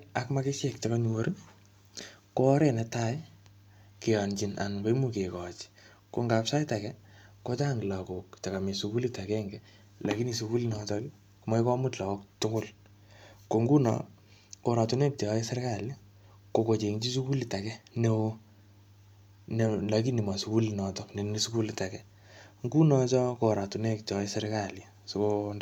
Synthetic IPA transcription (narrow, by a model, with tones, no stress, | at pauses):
a˨kma˦ke˦ʃɛ˨k̚taka˦ɲuwo˨ɾi˦ | koː˦ɾe˦nɛ˨ta˦j | ke˨jɔ˨nt͡ʃina̰˨nko˦i˦muke˨kɔ˨t͡ʃi̥ | ko˨ŋɡa˨psa˦jta˨kɛ˦ | ko˦ta˦ŋɡla˨ko˨k̚ta˨ka˨me˨suku˦li˦ta˨kɛŋɡɛ˨ | la˨ki˦ni˨suku˦li˦na˨tɔki˦ | ku˨ma˦i˦kɔ˦mu˦tla˨ɔ˦ktʊ˦kʊ˦l | ko˨ŋɡu˦nɔ̰˨ | ko˨ɾa˨tu˨˦ne˦p̚te˨˦i˦se˦ɾka˦˨lja˦ | ko˨ko˨t͡ʃe˨ŋt͡ʃi˦su˦ku˦li˨ta˨kɛ˦ne˦ | ne˦la˨ki˦ni˨ma˨su˦ku˦li˨nɔ˨tɔ˦ne˨ni˦su˦ku˦li˨ta˨kɛ˦ | ŋɡu˦nɔ˨t͡ʃɔ˦ko˨ɾa˨tu˨ne˦p̚tɔ˦i˦se˦ɾka˦lja˨ | so˨ko˦n